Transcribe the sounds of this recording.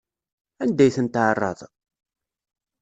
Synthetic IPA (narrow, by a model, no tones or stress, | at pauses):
ænd̪æjθənt̪ʕərˤːɑ̰ðˤ